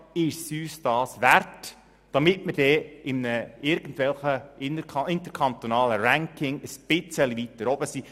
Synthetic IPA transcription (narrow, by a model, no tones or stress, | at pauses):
ɪʃsyːsd̥ɑːsʋært | d̥ɑmɪtmərd̥ɛːɪmnəɪɾɡ̥ən̩dʋɛlχəʔɪnəɾkʰɑɪnt̪əɾkʰɑnt̪onɑːləɾæŋkɪŋəsb̥ɪt͡səlivit̪ːəɾɔbəsiː